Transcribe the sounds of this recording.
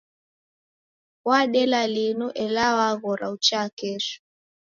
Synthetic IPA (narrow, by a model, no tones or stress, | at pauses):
kwaɗɛlalinuʔɛlawaɣɔɾaut͡ʃakɛʃu̥